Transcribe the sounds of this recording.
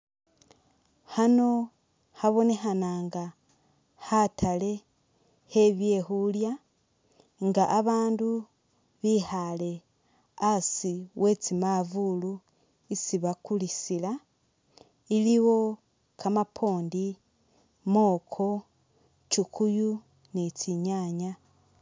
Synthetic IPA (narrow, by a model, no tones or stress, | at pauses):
hano̞ | haβo̞ne̞xanaːŋɡa | hatʰale̞ | he̞βje̞hulja | ŋɡaʔːβaːndu | βihale̞ | asiwe̞t͡simavulu | isiβakulisila | iliwo̞ | kamapʰo̞ːndi | mo̞ːkʰo̞ | t͡ʃukʰuju | net͡siɲaɲa